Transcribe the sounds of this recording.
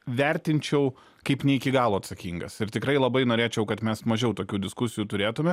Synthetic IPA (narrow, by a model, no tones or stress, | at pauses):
ʋʲɛɾʲt̪ʲɪnʲt͡ʃʲɛʊ | kɐɪpnʲɛɪkʲɪɡɑːlˠoːɐt̪sɐkʲiːŋɡɐsɪɾt̪ʲɪkɾɐɪlˠɐbɐɪnoːɾʲeːt͡ʃʲɛʊkɐt̪mʲɛsmɐʒʲɛʊt̪oːkʲuːd̪ʲɪskʊsʲɪjuːt̪ʊɾʲeːt̪ʊmʲɛ